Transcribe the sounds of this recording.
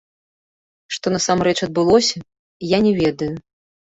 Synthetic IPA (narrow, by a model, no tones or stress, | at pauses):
ʂt̪ɔnɐsamrɛt͡ʂɐd̪̚bɨlˠɔsʲɐ | janʲɛvʲɛd̪ɐju